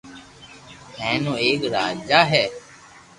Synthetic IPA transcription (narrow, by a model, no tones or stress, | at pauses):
hɛ̃ːnũːeːkɾaːd͡ʒaːɦɛː